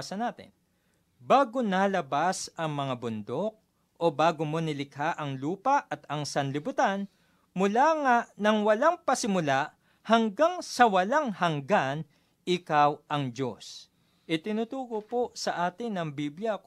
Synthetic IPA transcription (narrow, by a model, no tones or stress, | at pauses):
sɐnaːt̪ɪ̰n | baːɡonalɐbasʔɐŋmɐŋabʊnd̪ok̚ | ʔo̞baːɡomo̞nɪlɪkhaʔɐŋluːpɐʔɐt̪ɐŋsɐnlɪbʊt̪an | mʊlaːŋaʔnɐŋwɐlaŋpɐsɪmʊlaʔ | hɐŋɡaŋsɐwɐlaŋhɐŋɡan | ɪkawʔɐŋd͡ʒo̞s | ʔɪt̪ɪnuːt̪uːɡoposɐʔaːt̪ɪnːɐŋbibljɐ